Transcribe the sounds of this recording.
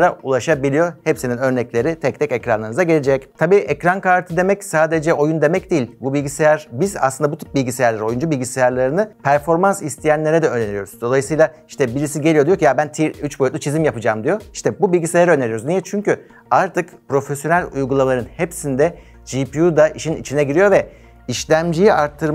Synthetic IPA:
ɾaulˠaʃabilʲijo̞hepsininø̞ɾnɛclʲe̞ɾit̪ʰɛc̚t̪ʰɛcɛcɾa̰nlˠaɾnɯzaɟelʲed͡ʒɛct̪ʰabiːʔɛcɾankaɾt̪ʰɯd̪e̞mɛcsaːd̪e̞d͡ʒɛʔo̞jund̪e̞mɛc̚d̪ijilʲbubilʲɟisejæɾ̥biza̰slˠɯnd̪abut̪ʰy̥p̚bilʲɟisejæɾlˠaɾo̞jund͡ʒubilʲɟisejaɾlˠaɾɯnɯpʰæɾfo̞ɾmansist̪ʰijænlʲe̞ɾɛd̪ɛønenjo̞ɾzuz̥d̪o̞lˠajɯsɯjlˠaiʃt̪ʰɛbiɾisiɟe̞lʲijo̞d̪ijo̞cijabænt̪ʰiyt͡ʃbojyt̪lˠʲut͡ʃʰizimjapɯd͡ʒaːmd̪ijo̞i̥ʃt̪ɛbubilʲɟʲisejaɾøneɾijoɾuznijɛt͡ʃʰyɲcy | aɾt̪ʰɯkpɾo̞fesjo̞nælʲujɡulˠalˠaɾɯnhepsind̪ɛ | d͡ʒipiud̪aʔiʃinḭt͡ʃʰinɛɟiɾijo̞vɛ | iʃlʲæmd͡ʒijiʔaɾt̪ʰːɯɾ

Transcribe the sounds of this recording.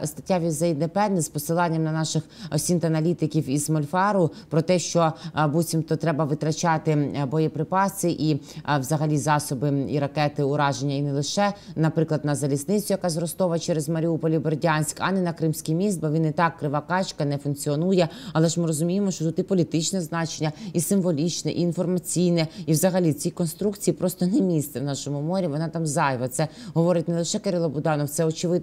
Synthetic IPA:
st̪ɐ̥tʲːaʋʲizɐid̪nɛpɛd̪nɛspɔsɪlˠɑnʲːɐmnɐnɑʃɪxɔsʲint̪ɐnɐlʲit̪ɪkʲiwizmɔlʲfɑɾʊ | pɾɔt̪ɛʃt͡ʃɔbut͡sʲimt̪ɔt̪ɾɛbɐʋɪt̪ɾɐt͡ʃɑt̪ɪbɔjɛpɾɪpɑsɪʔiwzɐɦɐlʲizɑsɔbɪḭɾɐkɛt̪ɪʊɾɑʒenʲːɐinɛlˠɪʃɛnɐpɾɪklˠɐd̪nɐzɐlʲisnɪt͡sʲʊjɐkɑzɾɔst̪ɔʋɐt͡ʃɛɾezmɐɾʲiupɔlʲiberdʲanʲsʲkɑ̰nɛnɐkɾɪmsʲkʲijmʲist̪̚bɐʋʲinɪt̪ɑkːɾɪʋɑkɑt͡ʃkɐnɛfʊnkt͡sʲiɔnujɛɐlˠɛʒmɪɾɔzʊmʲijemɔʃt͡ʃɔt̪ut̪ipɔlʲit̪ɪt͡ʃnɛznɑt͡ʃenʲːɐisɪmʋɔlʲit͡ʃnɛʔiːnfɔrmɐt͡sʲijnɛiʋzɐɦɐlʲit͡sʲikɔnst̪ɾukt͡sʲijːipɾɔst̪ɔnɛmʲist̪ɛwnɑʃɔmʊmɔɾʲiʋɔnɑt̪ɑmzɑjʋɐt̪sɛɦɔʋɔɾɪtʲnɛlˠɪʃɛkeɾʲilˠɐbʊd̪ɑnɔwt̪sɛɔt͡ʃɪʋɪd̪

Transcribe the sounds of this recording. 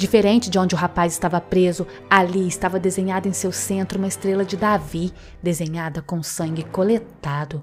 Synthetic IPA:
d͡ʒifeɾẽnt͡ʃɪd͡ʒɪõnd͡ʒɪʊɦapajzɪst̪avɐpɾezʊ | aliɪst̪avɐd̪ezẽɲad̪ʊẽj̃sewsẽnt̪ɾʊũmɐɪst̪ɾelɐd͡ʒɪd̪avi | d̪ezẽɲad̪ɐkõw̃sɐ̃ŋɡɪkolet̪ad̪ʊ

